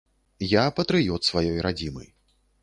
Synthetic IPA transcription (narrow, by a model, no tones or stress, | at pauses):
japɐt̪ɾɨjɔt̪svajɔjɾad͡zʲimɐ̰j